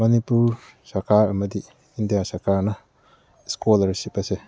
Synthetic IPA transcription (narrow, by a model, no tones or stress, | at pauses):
mɐnipuɾ | sɐɾkʰaɾɐmɐdi | indijasɐɾkaɾnɐ | skolɐɾsipɐse